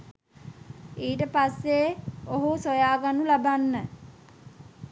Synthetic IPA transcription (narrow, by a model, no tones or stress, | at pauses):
iːʈəpasːeoɦusojaːɡanulabanːə